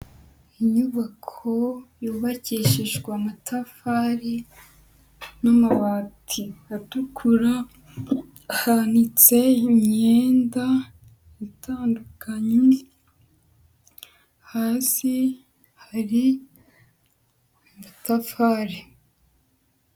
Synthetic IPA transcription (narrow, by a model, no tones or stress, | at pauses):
iɲuβakʰojuːβaciːʃiʒɡwamatʰafaɾi | namaβaːtʰiatukʰuɾa | hanit͡se̞imɲe̞ːnda | itʰaːndukʰaɲe | hasi | haɾi | matafaɾi